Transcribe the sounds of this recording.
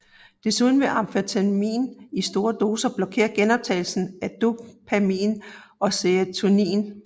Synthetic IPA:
d̥e̝suð̞ˠn̩ʋe̝ʔɑ̈mfet͡sʰænmḭːnisd̥o̝ːɐd̥o̝ːsɐb̥lɒ̽kʰe̝̰ːɐɡ̥enɒ̽b̥̚t͡sʰɛ̰ɪl̩sn̩æd̥opʰæmḭːnɒ̽seæt͡sʰunḭːn

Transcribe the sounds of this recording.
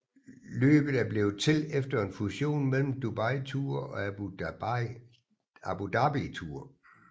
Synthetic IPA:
lø̰ːb̥ð̩ˠæɐb̥le̝ʊt͡sʰe̝lefd̥ɐe̝nfuɕo̝̰ːnmel̰m̩d̥ub̥ɑɪ̰t͡sʰuɐ̰ɒ̽ | æb̥ud̥ɑb̥it͡sʰuɐ̰

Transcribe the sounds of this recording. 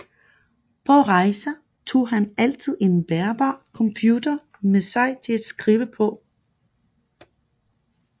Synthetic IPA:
pʰɒ̽ʁɑ̈ɪsɐ | t͡sʰo̝̰ːɦænæl̰t͡sʰið̞̰ˠe̝nb̥æɐb̥ɑ̰̈ːkʰɒ̽mpʰjuːd̥ɐ | mesɑ̈ɪt͡sʰe̝læd̥sɡ̥ʁiːʊəpʰɒ̽

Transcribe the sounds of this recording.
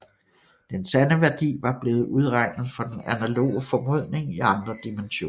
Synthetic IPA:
d̥ensænəʋæɐd̥ḭːʋɑ̈b̥le̝ːð̩ˠuð̞ˠʁɑ̈ɪ̰nð̞̩ˠfɒ̽d̥enænælo̝̰ːəfɒ̽mɔð̞̰ˠne̝ŋiɑ̈nd̥ʁɐd̥imenɕo̝̰ːɐ

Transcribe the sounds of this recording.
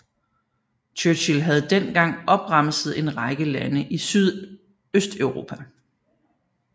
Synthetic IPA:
t͡ɕʰøɕilɦæð̞̩ˠd̥en̰ɡ̥ɑ̈ŋ̰ɒ̽b̥ʁɑ̈m̰səð̩ˠe̝nʁɑ̈ɪɡ̥əlænəʔisyð̞ˠ | øsd̥øʊʁo̝ːpʰæ

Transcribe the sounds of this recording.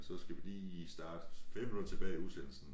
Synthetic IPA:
sɒ̽sɡ̥æʋilḭːisd̥ɑ̈ːd̥feb̥ut͡sʰe̝b̥ɛːɪuðˠsenl̩sn̩

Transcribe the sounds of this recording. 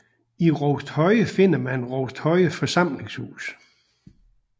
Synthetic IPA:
iʁɔʊd̥hɒ̽ɪəfe̝n̰ɐmænʁɔʊsd̥hɒ̽ɪəfɒ̽sɑ̈m̰le̝ŋshṵːs

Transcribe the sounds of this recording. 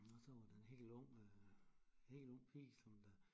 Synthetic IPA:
ɒsɒ̽ʋɑ̈d̥æe̝nɦe̝̰ːlɔ̽ŋ̰ | he̝̰ːlɔ̽ŋ̰pʰḭ̥ːsɒ̽md̥æ

